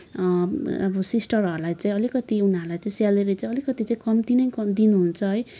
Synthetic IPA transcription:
ʌbʌsisʈʌɾʌɾulajt͡saĩʌlikʌt̪iunʌɾlajt͡saĩsjaleɾʌt͡saĩʌlikʌt̪it͡saĩkʌmt̪inʌjkʌd̪inuɦunt͡sʰʌɦʌj

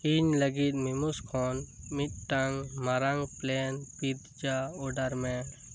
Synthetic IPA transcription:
iɲləɡit̪̚mimuskʰɔnmit̪̚ʈaŋmaɾaŋplɛnpit̪̚d͡ʒaɔɖaɾmɛ

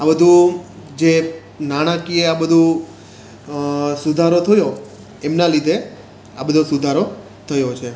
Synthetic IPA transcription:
abəd̪ʱũ | d͡ʒe | naɽ̃akieabəd̪ʱũ | sud̪ʱaɾot̪ʰəjo | emnalid̪ʱe | abəd̪ʱusud̪ʱaɾo | t̪ʰəjot͡ʃʰe

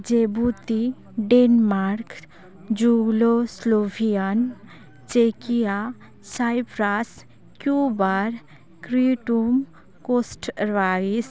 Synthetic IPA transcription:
d͡ʒebut̪i | ɖenmaɾk | d͡ʒuɡloslobʰʱijan | t͡ʃekija | sajpɾas | kjubaɾ | kɾiʈum | kosʈɾʋais

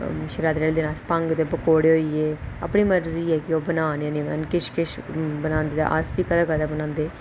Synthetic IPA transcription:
ʃəɾaːd̪ɾɛːld̪eːnaːspəŋɡt̪eːbəkoːɽeːɦoːiːeːə̰pniːməɾziːɛːkɪoːbənaːñːnẽːmɛ̰ːnkɪʃkɪʃbənãːnd̪iːd̪a̰ːʔə̰spiːkəd̪aːkəd̪aːbənãːnd̪eː

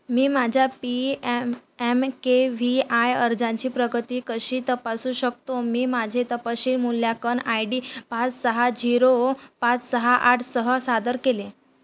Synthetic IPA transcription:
miːmad͡ʑʱjapi | emkeʋiajəɾd͡zãɲt͡ɕiːpɾəɡʱət̪iːkəɕiːt̪əpasũːɕək̚t̪omiːmad͡ʑʱet̪əpaɕiːlmuljakənajɖiːpãt͡ssəɦad͡ʑiɾopãt͡ssəɦaʔaʈʰsəɦəsad̪əɾkelẽ

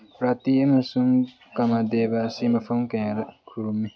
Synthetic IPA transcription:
pɾat̪iɐmɐsuŋ | kamad̪ebasimɐpʰɐmkɐjaɾɐkʰuɾumːi

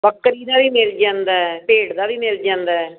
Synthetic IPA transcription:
bəkːəɾiːd̪aːʋiːmeld͡ʒãːnd̪ɛːpeːɽd̪aːʋiːmeːld͡ʒãːnd̪ɛː

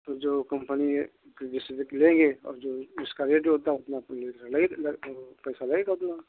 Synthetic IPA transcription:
t̪od͡ʒoːkɐ̃mpəni | keɖɪsbklẽːŋɡeɔ̰ːɾd͡ʒoːʊskaɾeːʈoɦoːt̪aɦɛʊt̪napnleːklelːpɛːsalɐɡeɡaɦʊt̪na

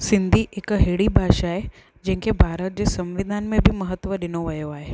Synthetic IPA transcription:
sɪ̃nd̪ʱiʔɪkɦeːɽibʱaːʃaːɦe | d͡ʑɐ̃ɦɪ̃ŋkebʱaːɾət̪̚d͡ʑeːsɐ̃mʋɪd̪ʱanmẽbʱɪmɐɦət̪ʋəɗɪnoʋɐjoaːɦe

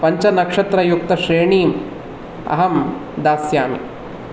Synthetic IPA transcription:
pɐɲt͡ʃɐnɐkʂɐt̪ɾɐjuk̚t̪ɐʃɾeːɳiːm | ɐ̰ɦɐmd̪aːsjaːmḭ

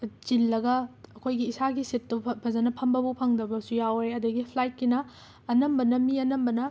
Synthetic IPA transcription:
d͡ʒilːɐɡɐɐkʰojɡiːsaɡisitːubʰɐzɐnɐpʰɐmbɐbupʰɐŋdɐbɐsujaweɐdɐɡipʰlajt̚kinɐː | nɐmbɐnɐmiɐnɐmbɐnɐ

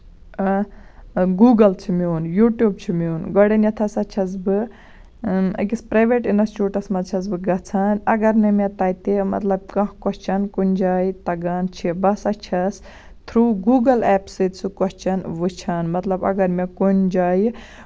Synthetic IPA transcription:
ɡuːɡɐlt͡ʃʰimʲuːnjuːʈjuːb̚t͡ʃʰimuːnɡɔɽɐnjɐt̪ʰɐsɐt͡ʃʰɐs̬bɨ | ɐ̰kispɾaːjʋeʈinɐst͡ʃuːʈɐsmɐt͡ʃʰɐs̬bɨɡɐt͡sʰaːnɐɡɐɾnɐmet̪ɐːjt̪emɐ̰t̪lɐb̚kɐ̃hkɔst͡ʃʰɐnkunʲd͡ʒaːjt̪ɐɡaːnt͡ʃʰibɐsɐt͡ʃʰɐs | t̪ʰɾuːɡuːɡɐlɛːpsɨtsukɔst͡ʃʰɐnʋɨt͡ʃʰɐnmɐt̪lɐbɐ̰ɡɐɾmekund͡ʒaːj

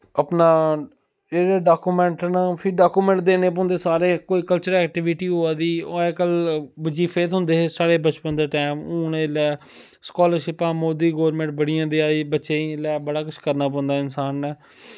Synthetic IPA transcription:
əpnaː | eːɾeːɖaːkuːmɛ̃ːɳʈnãːpʰɪɾɖaːkuːmɛ̃ːɳʈ̚d̪eːnẽːp̬ɔ̃ːnd̪eːsaːɾeːkoːiːkəlt͡ʃəɾɛːk̚ʈɪʋɪʈiːɦoːaːd̪iːoɛːkəlbɪd͡ʒiːpʰeːt̪ɦʊ̃nd̪eːsaːɽeːbət͡ʃpənd̪eːʈɛːmuːnẽːlɛː | skaːləɾʃɪpãːmoːd̪iːɡoːɾmẽːɳʈ̚bəɽijãːd̪iːaːiːbətːʃeːilɛːbəɽaːkʊt͡ʃʰkəɾnaːp̬ɔ̃ːnd̪aːɪnsaːnːɛː

